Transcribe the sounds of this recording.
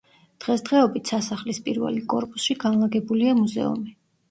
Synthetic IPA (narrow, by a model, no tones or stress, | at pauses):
d̪̥ʁɛsd̪ʁɛɔbit̪ʰsasaχlispʼiɾvɛ̰likʼɔɾpʼusʃiɡanlˠaɡɛbuliamuzɛ̰ṵmi